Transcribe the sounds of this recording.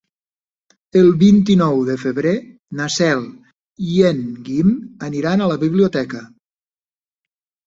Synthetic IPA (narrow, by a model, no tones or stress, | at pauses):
əlˠβint̪inɔwðəfəβɾe | nasɛlˠ | ienɡiməniɾanələβiβliut̪ɛkə